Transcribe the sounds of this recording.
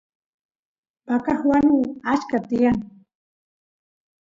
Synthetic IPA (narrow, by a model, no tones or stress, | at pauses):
pakaχwanʊat͡ʃkat̪ɪjaŋ